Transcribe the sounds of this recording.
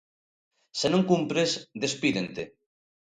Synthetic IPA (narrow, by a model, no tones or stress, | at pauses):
senõŋkumpɾesd̪espiðent̪e